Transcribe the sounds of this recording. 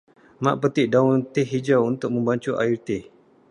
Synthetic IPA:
ma̰ʔpət̪iʔdaunt̪ihid͡ʒawunt̪ʊk̚mə̃mbaɲt͡ʃuʔa̰irt̪ɪh

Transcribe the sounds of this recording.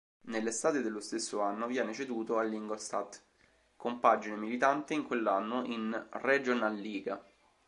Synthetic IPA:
nelːest̪aːt̪ed̪elːost̪esːoanːovjɛːnet͡ʃed̪uːt̪oalːiŋɡolst̪at̪ | kompad͡ʒinemilit̪ant̪eiŋkwelːanːoʔinred͡ʒonalːiːɡa̰

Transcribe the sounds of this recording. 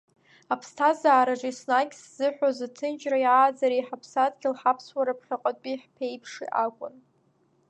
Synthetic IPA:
apʰstʰazaːɾaʐisnakʲsz̥ɨħᶣʷazatʰɨnt͡ʃʼrajʕaːd͡zaɾiħapʰsadɡʲilħapʰswaɾapʰχʲaqʼatʼiħpʰejpʰʂḭʔakʷʼʊ̰n

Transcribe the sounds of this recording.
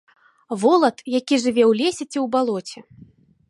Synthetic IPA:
vɔlˠɐt̪jakʲiʐɨvʲɛwlʲesʲɛt͡sʲiwbalˠɔt͡sʲɛ

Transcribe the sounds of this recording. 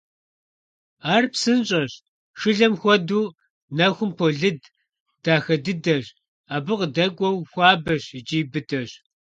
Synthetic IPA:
aːrpsɨnɕʼɐɕ | ʂɨɮɐmxʷɔduː | nɐxʷʊmpʰoɮɨd | d̥aːxɐdɨdɐɕ | aːbɨqdɐɡʷʼɔwxʷɑːbɐɕd͡ʒiːbɨdɐɕ

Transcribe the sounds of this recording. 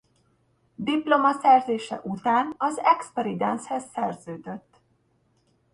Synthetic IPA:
d̪iplo̞mɒsɛrzeːʃɛ̰ʔut̪aːnɒzɛkspɛɾid̪ɛnshɛsːɛrzøːd̪øt̪ː

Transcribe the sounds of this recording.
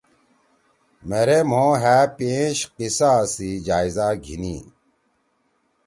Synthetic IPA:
meɾem̤õːɦæːpẽːɕqisaːsid͡ʑaːizaɡʱḭnḭː

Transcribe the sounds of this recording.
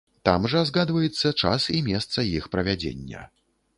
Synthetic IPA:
t̪a̰mʐɐzɣad̪vɐjɛt̪sːɐt͡ʂasimʲɛst̪sɐjixpɾɐvʲad͡zʲḛnʲːɐ̰

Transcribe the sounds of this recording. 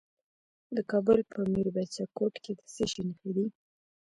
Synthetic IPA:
d̪əkɑbʊlpʰəmiɾbat͡ʃakoʈked̪ə̥seʃinxəd̪i

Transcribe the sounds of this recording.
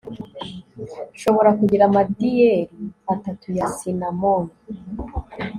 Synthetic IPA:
ʃo̞βo̞ɾakuɟiɾamadijeɾiatatujasinamoni

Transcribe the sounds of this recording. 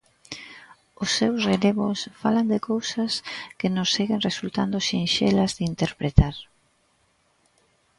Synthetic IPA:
ʊsːewsreleβʊsfaland̪ɪkowsɐskɪnʊsːeɣenresult̪and̪ʊʃinʃelɐzðɪint̪eɾpɾet̪aɾ

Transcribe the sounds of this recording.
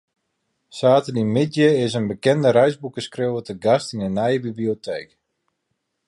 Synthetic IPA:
saːtənimɪdjəɪsənbəkɛndəɾɛjzbukəskrɪwvətəɡastinənɛjəbibliotʰeːk

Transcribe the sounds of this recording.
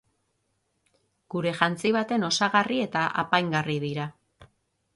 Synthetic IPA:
ɡ̥uɾe̞ʝant͡siβ̞at̪e̞no̞saɣarie̞t̪aʔa̰pajŋɡariðiɾa

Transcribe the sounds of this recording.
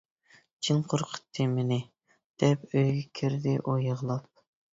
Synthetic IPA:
t͡ʃʰinqʰoɾqʰə̥t̪ʰːɨmɪnɪ | d̪̥ɛpøjɡʲɛkʲʰiɾd̪ɪʔujəʁlˠɑp̚

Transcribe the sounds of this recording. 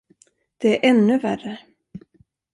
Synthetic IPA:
d̪̥ɛæɾʔɛnːɵværə

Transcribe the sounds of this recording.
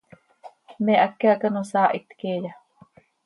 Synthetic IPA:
meʔakːeaʔkanosaːʔit̪keːja

